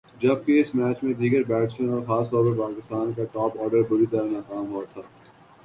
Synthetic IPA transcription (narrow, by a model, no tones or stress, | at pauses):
d͡ʒɐb̚keɪsmɛːt͡ʃmẽd̪iːɡəɾbɛːʈsmẽnɔːɾxaːst̪ɔːɾpɐɾpaːkɪst̪aːnkaʈɔːpɔːɾɖəɾbʊɾit̪ɐɾanaːkaːmɦɔːt̪ʰaː